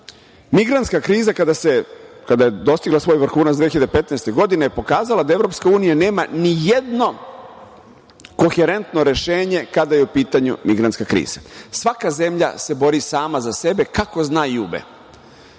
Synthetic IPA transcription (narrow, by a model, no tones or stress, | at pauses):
miɡɾant̪skakɾiːzakad̪asekad̪ajed̪o̞st̪iɡlˠasʋo̞ːjʋɾ̩xuːnat̪d̪ʋeçiʎad̪epe̞t̪nɛjst̪e̞ɡo̞d̪inejepo̞kaːzalad̪ae̞vɾo̞pskauːnijane̞ːmanijed̪no̞ | koxeɾe̞nt̪no̞ɾe̞ʃeːɲe̞kad̪aje̞upiːt̪aɲṵmiɡɾant̪skakɾḭːz̥asʋakaze̞mʎa̰se̞bo̞ɾisaːmazase̞be̞kako̞znaːjuːbḛ